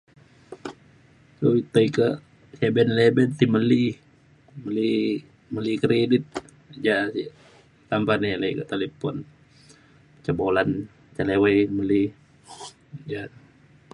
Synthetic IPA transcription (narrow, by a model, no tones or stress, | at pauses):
sowit̪əikəʔ | sebɛnlebɛnt̪iməli | məli | məlikɾedit̪̚ | d͡ʒasi | t̪ampaniləjkəʔt̪elepɔn | t͡ʃəbolan | t͡ʃəleweməli | d͡ʒa